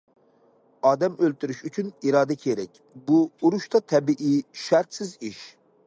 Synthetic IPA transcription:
ɑːd̪ɛmølt̪yɾyʃyt͡ʃʰyniɾɑːd̪ɛkʲʰeɾɛkʲ | buːɾuʃt̪ɑt̪ʰɛbiʔiʃæɾt̪sɪziʃ

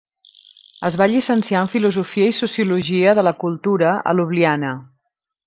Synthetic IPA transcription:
əzβaʎisənsiaɱfiluzufiəisusiuluʒiəðələkulˠt̪uɾəə̰luβlianə

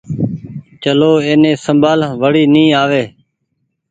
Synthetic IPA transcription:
t͡ʃəloːeːnẽːsəmbaːlʋəɽiːnĩːaːʋeː

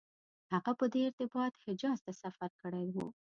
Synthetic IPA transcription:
haɣapəd̪eɪɾt̪ɪbɑt̪hɪd͡ʒɑzt̪asafaɾkəɽajwṵ

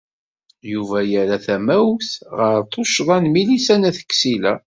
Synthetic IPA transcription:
juvæjəɾæθæmæwθʁəɾt̪ˤoʃðˤɑnmilisænæθə̥kːsilæ

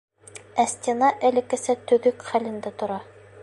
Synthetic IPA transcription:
æsʲt̪ʲenɑʔælɘ̆kɘ̆sɘt̪ɵ̆ðɵkχælɘ̆nd̪æt̪ŏɾɑ

